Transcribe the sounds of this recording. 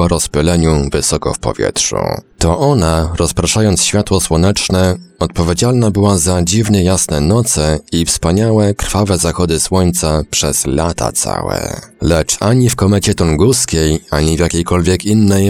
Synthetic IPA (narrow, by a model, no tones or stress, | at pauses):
ɔɾɔspʲɛlɛɲuvɘsɔkɔ̰fpɔ̰vʲjɛ̰tʂṵt̪ɔʔɔnaɾɔspɾaʂajɔnt̪sɕfʲjat̪wɔswɔnɛt͡ʂnɛɔt̪̚pɔvʲjed͡ʑalnabɘwazad͡ʑivɲɛjasnɛnɔt̪sɛifspaɲawɛkɾfavɛzaxɔd̪ɘswɔɲt̪sapʂɛz̥la̰t̪a̰t̪sa̰wɛ̰lɛt͡ʂaɲifkɔmɛt͡ɕɛt̪ɔŋɡuskʲejaɲivʲjakʲejkɔlvʲjɛkinːɛj